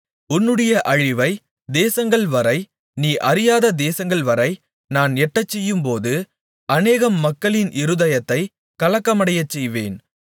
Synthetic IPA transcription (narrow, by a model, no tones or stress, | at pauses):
ʊnːɯɽɐjɐʔɐɻɪʋɐɪ | d̪eːsɐŋɡɐɭʋɐɾɐɪ | niːʔɐɾɪjaːðɐd̪eːsɐŋɡɐɭʋɐɾɐɪ | naːnɛʈːɐt͡ʃːɛjːɯmpoːðɯ | ɐneːɣɐmːɐkːɐɭɪnʔɪɾɯðɐjɐt̪ːɐɪ | kɐɭɐkːɐmɐɽɐjɐt͡ʃːɛjʋḛːn